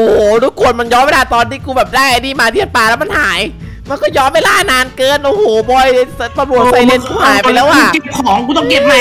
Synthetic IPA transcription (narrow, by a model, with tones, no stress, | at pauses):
ʔoː˨˩hoː˨˩ɾuː˦˥˩kʰu˧˩ənma˧njɔː˦˥mwe˧laː˧˩t̪ɔː˧ntiː˧˥˩kuː˧bɛː˨˩p̚daː˥˩jʔa˧niː˥˩maː˧t̪ʰi˥˩ə˩paː˧lɛ˦˥wma˧nhaː˩˦j | ma˧nkɔː˥˩jɔː˦˥mwe˧laː˧˥˩naː˧nkɤː˧nʔoː˨˧˩hoː˨˩˦bɔ˧˩jpa˧bu˨˩ət̚sa˧jle˧nkʰu˧˩˨haː˨˦pa˧lɛː˦˥wʔaː˧˩ke˨˩p̚kʰɔː˩˦ŋkuː˧t̪ɔ˥˩ŋke˨˧˩p̚l